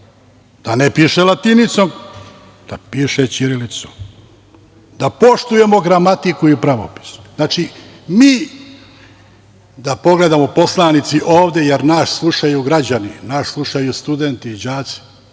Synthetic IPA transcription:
d̪̥anepiːʃelat̪init̪som | d̪̥apiːʃet͡ʃiɾilit̪som | d̪̥apo̞ʃt̪uje̞mo̞ɡɾamat̪ikuipɾaʋo̰pi̥sznaːt͡ʃi | miː | d̪apo̞ɡle̞d̪amo̞po̞slˠanit̪siʔo̞ːʋd̪e̞jeɾnaʃslˠuʂajuɡɾad͡ʑaninaʃslˠuʃajust̪ud̪ent̪iːd͡ʑaːt̪si̥

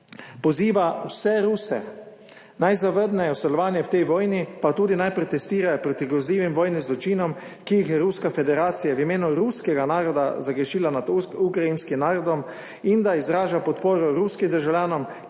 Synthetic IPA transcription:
pɔziːʋawsɛɾuːsɛ̰ | najzaʋəɾd̪nɛjɔwsɛlɔʋaːnjɛwt̪ɛjʋɔːjnipat̪uːd̪inajpɾɛt̪ɛst̪iːɾajɔpɾot̪iɡɾɔzliːʋimʋɔːjnizlɔt͡ʃiːnɔm | kijixjɛɾuskafɛd̪ɛɾaːt̪sijawimeːnuɾuskɛɡanaːɾɔd̪a̰zaɡɾɛʃiːlanad̪ukɾainskimnaːɾɔd̪ɔm | ind̪aizɾaːʒapɔt̪poːɾɔɾuskimd̪əɾʒawlʲjaːnɔm

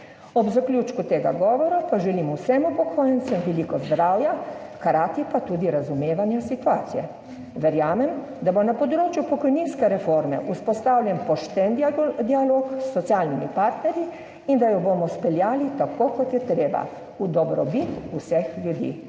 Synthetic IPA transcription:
ɔbzaklʲuːt͡ʃkut̪eːɡa̰ɡɔːʋɔɾapaʒɛlimɔwsɛmupɔkʰoːjɛnt̪sɛmʋɛlikɔzd̪ɾaːwjakaɾaːt̪ipat̪uːd̪iɾazumeːʋanjasit̪uaːt̪sijɛ | ʋɛɾjaːmɛm | d̪abonapɔd̪ɾoːt͡ʃjupɔkɔjninskɛɾɛfoɾmɛ̰ʔuspɔst̪aːwlʲjɛnpɔʃt̪ɛnd̪d̪ialoːksːɔt̪siaːlnimipaɾt̪nɛɾji | ind̪ajɔboːmɔspɛljaːlit̪akokɔt̪jɛt̪ɾeːba̰ | ud̪ɔbɾɔbit̪usɛxljud̪ḭː

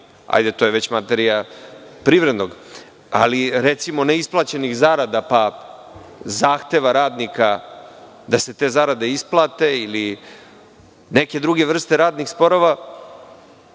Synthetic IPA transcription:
a̰jd̪e̞t̪o̞jeʋe̞t͡ɕmat̪e̞ɾijapɾiʋɾe̞d̪no̞ɡ | a̰liɾet̪simo̞neisplˠaːt͡ɕe̞nixzaːɾad̪apa | zaːxt̪e̞ʋaɾaːd̪nika | d̪ase̞t̪e̞ːzaːɾad̪e̞isplˠaːt̪e̞ili | ne̞ke̞d̪ɾuɡe̞ʋr̩st̪e̞ɾaːd̪nixspo̞ɾo̞ʋa

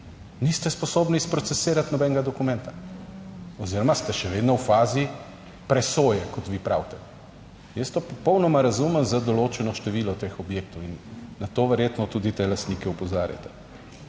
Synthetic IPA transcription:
nist̪ɛspɔsoːbnispɾot̪sɛseːɾat̪nɔbɛŋɡad̪ɔkumɛ̃nt̪a | oziːɾɔmast̪ɛʃɛʋeːd̪nɔwfaːzi | pɾɛsoːjɛkɔt̪ʋipɾa̰wt̪ɛ | jəst̪opɔpɔwnɔmaɾazuməmzad̪ɔloːt͡ʃɛnɔʃt̪ɛʋiːlɔt̪eːxɔbjeːk̚t̪ɔwinːat̪oːʋɛɾjet̪nɔt̪ud̪it̪elast̪niːkɛupɔzaːɾja̰t̪ɛ̥

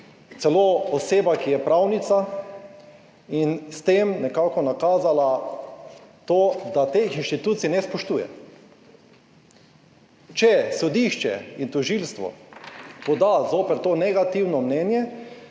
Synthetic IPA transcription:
t̪sɛloːɔseːbakijɛpɾawnit̪sa | inst̪emnɛkaːkɔnakaːzala | t̪oːd̪at̪exinʃt̪it̪uːt̪sinɛspɔʃt̪uːjɛ̰ | t͡ʃɛsɔd̪iʃt͡ʃɛ̰int̪ɔʒilst̪ʋɔ̰pɔd̪azoːpɛɾt̪oːnɛɡat̪iwnɔmnɛːnjɛ

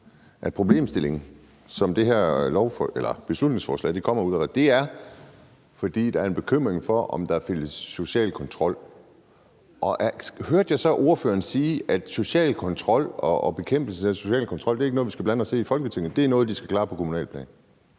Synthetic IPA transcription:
ʔæpʰʁo̝b̥le̝̰ːmsd̥e̝le̝ŋn̩ | sɒ̽md̥e̝ɦæɐ̰lɒʊfelɐb̥e̝slud̥ne̝ŋsfɒ̰ːslɛ̰ɪd̥e̝kʰɒ̽m̰ɐuðˠæ̥d̥e̝æɐ | fɒ̽d̥ḭːd̥ɑ̈æɐe̝nb̥e̝kʰøm̰ʁeŋfɒ̽ʔɒ̽md̥ɑ̈fel̰əsːo̝ɕɛ̰ːlkʰɒ̽nt͡sʰʁɒ̽l̰ | ʔɒ̽ʔæhøɐd̥jɑ̈ɪsɒ̽ʔo̝ɐføːɐnsiːæd̥so̝ɕɛ̰ːlkʰɒ̽nt͡sʰʁɒ̽l̰ɒ̽b̥e̝kʰem̰b̥l̩səæso̝ɕɛ̰ːlkʰɒ̽nt͡sʰʁɒ̽l̰d̥e̝ɐeɡənɔːðˠʋisɡ̥æb̥lænəɒse̝̰ːifɒ̽lɡ̥ət͡sʰe̝ŋn̩ˠd̥e̝æɐnɔ̽ːð̞̩ˠd̥isɡ̥æ̥kʰlɑ̈ːpʰɒ̽kʰo̝munɛ̰ːlpʰlɛ̰ːn

